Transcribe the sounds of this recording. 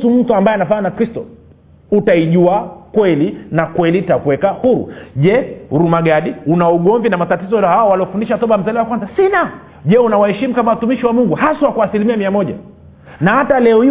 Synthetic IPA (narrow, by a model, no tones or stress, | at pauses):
sum̩tuambaɛnafaɲanakɾistɔ | utaiʄuakwɛlinakwɛlitakuwɛkahuɾṵʄɛ̰ɾumaɡaɗiunauɠɔɱvinamatatizɔhawawaliɔfundiʃat̪ɔɓam̩zaliwakwanzasina | ʄɛunawahɛʃimukamawatumiʃiwamuŋɡuhasawakwaːsilimiamiamɔʄa̰ | nahatalɛɔi